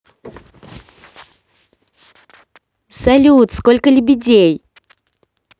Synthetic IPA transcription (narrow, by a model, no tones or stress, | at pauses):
sɐlʲut̪skolʲkəlʲʊbʲɪdʲej